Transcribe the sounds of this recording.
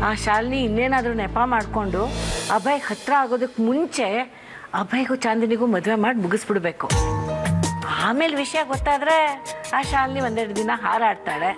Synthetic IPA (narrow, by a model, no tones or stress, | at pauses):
aːʃaːlniːnːeːnaːd̪ɾunɛpamaːɽko̞ɳɖuɐbʱɐjhɐt̪ɾɐaːɡo̞ːd̪ɐkːmuɲt͡ʃe̞ | ɐbʱɐjɡut͡ʃaːnd̪ɐniɡuːmɐd̪ʋemaːɖmuɡisbiɽbeːku | aːme̞ːlʋiʂɐjɐɡot̪ːaːd̪ɾe̞aːʃaːlniʋond̪ɛɾɽd̪inɐɦaːɾaːɖt̪aːɽe